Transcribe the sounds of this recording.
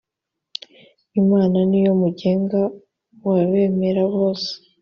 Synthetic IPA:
imaːnanijo̞muɟe̞ːŋɡa | waβe̞ːme̞ɾaβo̞ːse̥

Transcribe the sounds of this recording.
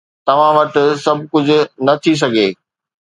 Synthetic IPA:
t̪ɐʋ̤ãʋɐʈ̆sɐbʱkʊd͡ʑʱʊ̆nɐt̪ʰis̬ɐɡʱeː

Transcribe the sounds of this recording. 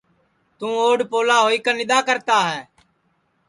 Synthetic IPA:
t̪ũːoːɖpoːlaːɦoːiːkənɪɗ̪aːkəɾt̪aːɦɛː

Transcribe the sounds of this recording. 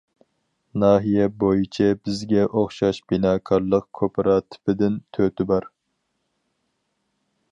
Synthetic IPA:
nɑːɦijɛbojit͡ʃʰɛbɪzɡʲɛʔoχʃɑʃb̥inɑːkʰɑɾlˠəqkʰopʰɨɾɑt̪ʰɪ̥pɪd̪ɪnt̪ʰøt̪ɪbɑɾ

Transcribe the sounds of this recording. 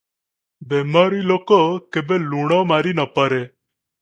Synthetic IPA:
bemaɾilokɔkebeluɽ̃ɔmaɾinɔpəɾe

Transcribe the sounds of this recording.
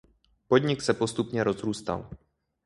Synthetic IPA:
pod̪ɲɪksɛpo̞st̪upɲɛɾo̞zɾuːst̪a̰l

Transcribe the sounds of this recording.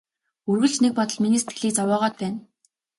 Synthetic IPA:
ɵrɣɘ̆ɮt͡ɕnek̚pɔt̪ɞ̆ɮminiːse̥t̪ɡɘ̆ɮiːt͡sawɔːʁɔːt̪̚pæːn

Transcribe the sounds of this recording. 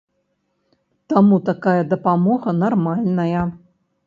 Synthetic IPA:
t̪amut̪akajɐd̪ɐpamɔɣɐnarmalʲnɐjɐ

